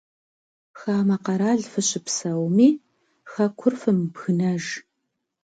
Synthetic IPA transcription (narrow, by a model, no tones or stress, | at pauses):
xaːmɐqɐɾaːɮfɨɕʼɪpsɐwmiː | xɐkʷʰʊrfɨmbɣɨnɐʒ